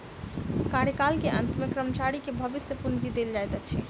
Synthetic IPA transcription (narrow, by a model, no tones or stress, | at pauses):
kaɾjəkalkeʔə̰̃nt̪mekɾəmt͡ʃaɽikebʱəbisjəpund͡ʒid̪eld͡ʒajt̪at͡ʃʰi